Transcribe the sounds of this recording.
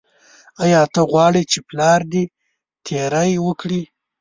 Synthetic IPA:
ajɑt̪əɣwɑɽit͡ʃeplɑɾd̪i | t̪ʰeɾajwəkɽi

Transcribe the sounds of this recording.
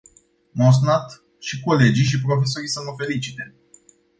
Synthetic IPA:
mos̬nat̪ | ʃiko̞le̞d͡ʒiʃ̬ipɾo̞fe̞s̬oɾisəməfe̞lit͡ʃit̪e̞

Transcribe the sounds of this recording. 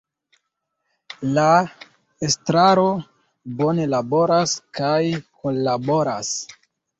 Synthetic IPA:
la | estɾaɾo̞ | bo̞ne̞labo̞ɾaskajkolabo̞ɾas

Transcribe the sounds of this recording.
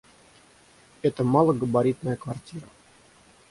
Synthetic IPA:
ɛt̪əmɑlˠəɡəbaɾʲit̪nəjəkvartʲiɾə

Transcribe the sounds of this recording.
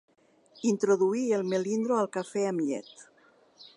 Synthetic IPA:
int̪ɾoðuielˠmelind̪ɾoalˠkafɛamʎɛ̰t̪

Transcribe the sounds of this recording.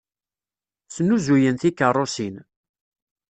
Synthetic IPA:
snːuzujənθikːərˤːosin

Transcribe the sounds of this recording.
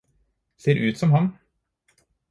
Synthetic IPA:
seːɾʔʉːt̪sɔmhɑn

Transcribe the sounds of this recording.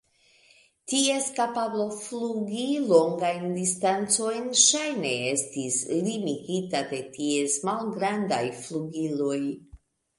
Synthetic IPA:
tie̞skapablo̞fluɡilo̞ŋɡajndistant͡so̞jnʃajne̞e̞stislimiɡitade̞tie̞smalɡɾanda̰jfluɡilo̞j

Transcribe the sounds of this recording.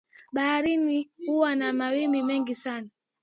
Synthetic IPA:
ɓaaɾinihuwanamawimimɛŋɡisana

